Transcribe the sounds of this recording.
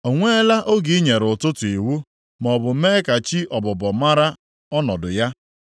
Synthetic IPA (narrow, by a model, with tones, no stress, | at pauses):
o˨ŋʷe˦la˦ʔo˦ɡi˨˦ɲe˨ɾʊ˨tʊ˦tʊ˨i˨wu˦ | mɔ˨bʊ˨meː˦ka˨t͡ʃi˦ʔɔ˨bɔ˨bɔ˨ma˦ɾa˦ | ɔ˦nɔ˨dʊ˨ja˦